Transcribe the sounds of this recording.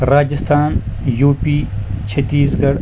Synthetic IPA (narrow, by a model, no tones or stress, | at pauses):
ɾaːd͡ʒist̪ʰaːnjuːpiːt͡ʃʰɐt̪iːzɡɐɽ